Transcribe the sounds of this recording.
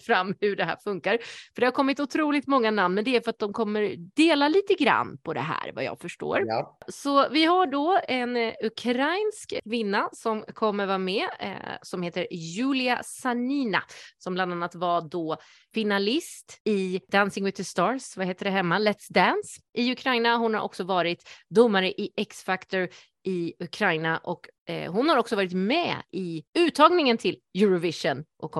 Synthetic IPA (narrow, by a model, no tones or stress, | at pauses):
fɾamːhɵɖɛɦæ̰ːɾfɵŋkaɾfœɖɛhaɾkʰɔmːɪt̪ʊt̪ʰɾuːlɪɡt̪mɔŋːanamnmɛnd̪ɛæɾfœɾat̪̚d̪ɔmkʰɔmːəɾd̪̥eːlaliːt̪əɡɾa̰nːpʰɔd̪ɛ̰ɦæ̰ːɾva̰jɑ̰ːɡfœʂʈo̰ːɾsɔvɪɦaɖɔɛnɵkʰɾajnskkʰvɪnːasɔmkʰɔmːəɾvaːmɛ̰sɔmheːt̪əɾjʉ̟ːlɪa̰saniːna̰sɔmbland̪anːat̪vad̪ɔ | fɪnalɪst̪ɪd̪ænsɪŋwɪt̪ːst̪ɑːɾsvaheːt̪əɖɛɦɛmːalɛt̪sd̪ænsʔɪɵkʰɾajnaɦʊnhaɾʔɔ̰ksɔvɑːɾɪt̪d̪ʊmːaɾəʔɪʔɛksfakt̪ɔɾ | ɪɵkʰɾajnaʔɔkɦʊnhaɾɔksɔvɑːɾɪt̪mɛ̰ɪʉ̟ːt̪ʰːɑːɡnɪŋənt̪ʰɪljʉɾɔvɪʂɔnʔɔkʰɔ